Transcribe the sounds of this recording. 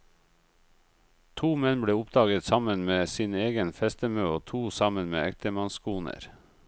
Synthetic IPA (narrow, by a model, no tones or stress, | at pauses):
t̪ʰuːmɛnbɽeːʊpd̪ɑːɡət̪sɑmənmeːsiːneːɡənfɛst̪əmøːoːt̪ʰuːsɑmənmḛːɛk̚t̪əmɑnskuːnə̰ɾ